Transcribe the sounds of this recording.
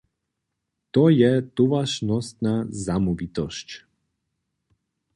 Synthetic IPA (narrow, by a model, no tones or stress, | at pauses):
t̪ɔjɛt̪uvaʃnɔst̪nazamuvit̪ɔʃc